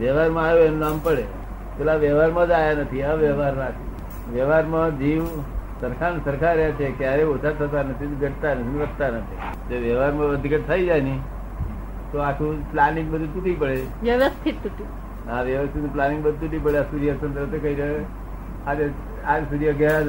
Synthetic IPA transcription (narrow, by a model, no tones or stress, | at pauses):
ʋəʋaɾmãajoenunampəɭe | t͡ʃʰelaʋjəʋaɾmãd͡ʒajanət̪ʰiaʋəʋaɾnãt̪ʰi | ʋjəʋaɾmãd͡ʒiʋsəɾkʰansəɾkʰaɾjat͡ʃʰekjaɾeot͡ʃʰat̪ʰət̪anət̪ʰinɡəʈt̪anət̪ʰinʋədt̪anət̪ʰi | d͡ʒeʋəʋaɾmãəd̪ʱikəʈ̚t̪ʰaid͡ʒajni | t̪oakʰũplaniŋɡbəd̪ʱut̪uʈipəɭe | ʋjəʋəst̪ʰitt̪uʈi | aʋjəʋəst̪ʰit̪nplaniŋɡbəd̪ʱt̪uʈip̬əɭeasuɾjəsənt̪ɾət̪ekəiɾəe | ad͡ʒ | ad͡ʒsud̪ijəɡjaɾa